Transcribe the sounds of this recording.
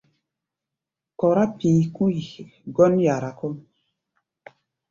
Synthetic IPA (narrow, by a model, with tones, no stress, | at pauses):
kɔ˨ɾa˦piː˨ku˦i˨ɡɔ˦nja˨ɾa˨kɔ˦m